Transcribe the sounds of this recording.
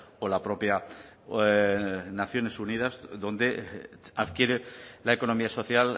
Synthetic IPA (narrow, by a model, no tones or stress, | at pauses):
olapɾo̞pja | naθjo̞ne̞suniðazðo̞nd̪eaðkje̞ɾelaeko̞no̞miaso̞θjal